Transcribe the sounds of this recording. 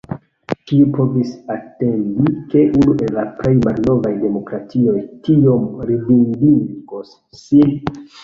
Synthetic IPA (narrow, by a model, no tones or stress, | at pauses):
kiupo̞visate̞ndike̞ʔunuʔe̞lːaple̞jmalno̞vajde̞mo̞kɾatio̞jtio̞mɾivindiŋɡosː | in